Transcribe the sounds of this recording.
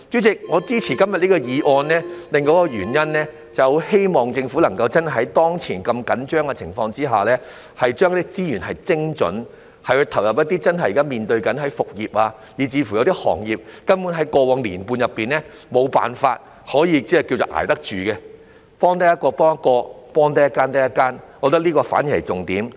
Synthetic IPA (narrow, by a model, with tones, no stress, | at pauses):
t͡ʃy˨˥t͡sɪ˨k̚ŋɔː˨˧t͡siː˥t͡sʰiː˨˩kɐ˥mjɐ˨t̚liː˥kɔ˧jiː˨˧ʔɔː˧nlɛː˥lɪ˨ŋkɔː˨˥kɔ˧ɥyː˨˩njɐ˥nlɛː˥ | t͡sɐ˨who˨˥whe˥jmɔː˨ŋt͡sɪ˧ŋfu˨˥lɐ˨˩ŋkɐ˧wt͡sɐ˥n˩ɦɐ˨˥jt̪ɔː˥ŋt͡sʰiː˨˩nkɐ˧mkɐ˨˥nt͡ʃœː˥ŋkɛ˧t͡sʰɪ˨˩ŋfɔː˧ŋt͡siː˥ɦa̰ː˨lɛː˥ | hɐ˨jt͡ʃœː˥ŋk̪ːi˥t͡siː˥jyː˨˩nhɐ˨jt͡sɪ˥ŋt͡ʃɵ̰˨˥n | hɐ˨jhɵ˧jt̪ʰɐ˨˩wjɐ˨p̚jɐ˥t̚t̪iː˥t͡sɐ˥nɦɐ˨˩jiː˨kaː˥miː˨nt̪ɵ˧ɥkɐ˨˥nɦɐ˨˥jfʊ˨k̚jiː˨p̚aː˧ | jiː˨˩t͡siː˨˧fu˨˩jɐ˧wt̪iː˥hɔ̰ː˨˩ŋjiː˨˩p̚kɐ˥npuː˨˥nɦɐ˨˥jkɔː˧wɔː˨˧ŋliː˨˩npuː˧njɐ˨pːiː˨nlɛ˥ | mo˨˧wpa̰ː˨nfaː˧t̚ | hɔː˨˥jiː˧t͡sɛː˥ki˧wt͡so˨˩ʔa̰ː˨˩jt̪ɐ˥k̚t͡ʃyː˨kɛ˧ | pɔː˥ŋt̪̬ɐ˥jɐ˥t̚kɔː˧pɔː˥ŋɐ˦˥t̚kɔː˧pɔː˥ŋt̪ɐ˥jɐ˥kːaː˥nt̪ɐ˥jɐ˥kːaː˥nwɔː˨˧k̚t̪ɐ˥k̚liː˥kɔː˧fa̰ː˨˥nji˨˩hɐ̰˨˩t͡sʊ˨˩ŋt̪iː˨˥m